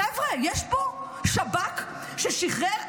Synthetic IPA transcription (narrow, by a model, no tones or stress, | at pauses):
ɛvʁejɛʃbo | ʃabak | ʃeʃiχeʁ